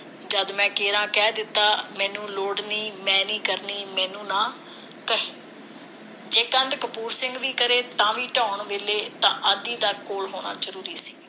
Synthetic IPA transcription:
d͡ʒəd̪mɛ̃ːkeːɾãːkɛːd̪ɪt̪ːaːmɛ̃ːnũːloːɽniːmɛ̃ːniːkəɾniːmɛ̃ːnũːnãː | kəɦeː | d͡ʒeːkə̃nd̪kəpuːɾsɪ̃ŋɡʋiːkəɾeːt̪ãːʋiːʈãːʊɳʋeːleːt̪ãːʔəːd̪iːd̪aːkoːlɦoːna̰ːd͡ʒəɾuːɾiːsi̥ː

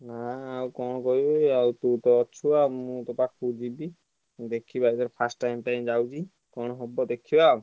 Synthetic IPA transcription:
naawkɔɽ̃ɔkɔɦibɔawt̪ut̪ɔɔt͡ʃʰuamũt̪ɔpakud͡ʒibi | d̪ekʰibajt̪ɔɾpʰasʈʈajmʈajmd͡ʒawt͡ʃʰi | kɔɽ̃ɔɦɔbɔd̪ekʰiba

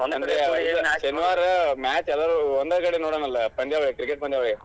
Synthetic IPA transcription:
nɐnd̪ɾeʃɐniʋaːɾɐmaːt͡ʃɛlːaːɾuond̪ɐkɐɽenoːɽaːnɐlːɐpɐɳɖ̪iaʋɐɭekɾikeʈ̚bɐɳd̪jaʋɐɭe

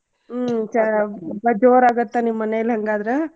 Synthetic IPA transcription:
t͡ʃɐbɐd͡ʒoːɾaːɡɐt̪ːanimːɐnɛjɐlɦɐŋɡaːd̪ɐɾe

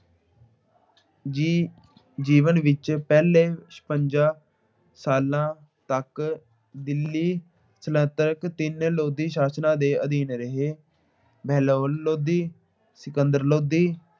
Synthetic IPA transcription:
d͡ʒiːʋənʋɪt͡ʃpɛːleːspəɲd͡ʒaː | saːlãː | t̪ək | d̪ɪlːiː | sələ̃t̪əɾəkt̪ɪnloːd̪iːʃaːsnãːd̪eːʔəd̪iːnɾəɦeː | bʱɛːloːlloːd̪iː | sɪkənd̪əɾloːd̪iː

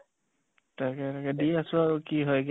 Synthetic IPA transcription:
takɛtakɛdiasʊaɹukiɦɔjɡ

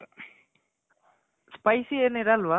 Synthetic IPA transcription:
spɐɪsienːeɾaːlʋa

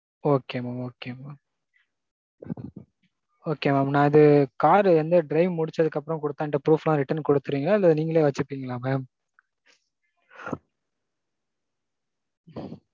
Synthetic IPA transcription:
oːkeːmaːmoːkeːmaːm | oːkeːmaːmnãːɪðɯkaːɾɐnd̪ɯɖɾɐɪʋmʊɽɪt͡ʃːɐðɯkːɐpːɯɾɐ̃mkɔɽɯt̪ːãɪɳʈːɐpɾuːflãːɾɪʈːɐɾnkɔɽɯt̪ːɯɾiːŋɡɐɭaːɐðlːaːðɯniːŋɡɐɭeːʋɐt͡ʃːɯɯpːiːŋɡɐlaːmeːm

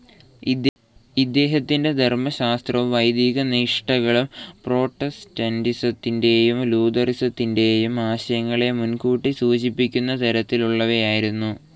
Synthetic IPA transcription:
id̪ːe̞ːɦɐt̪ːinde̞d̪ʱermɐɕaːst̪rɐʋuʋɐjd̪iːɣɐniːʂʈɐɣɐɭumpro̞ːʈːɐstɐndisɐt̪ːinde̞jumluːd̪ɐrisɐt̪ːinde̞jumaːɕɐjɐŋːɐɭe̞munkuːʈːisuːɕipːikʲːunːɐt̪ɐɾɐt̪ːiluɭːɐʋejaːjiɾunːu

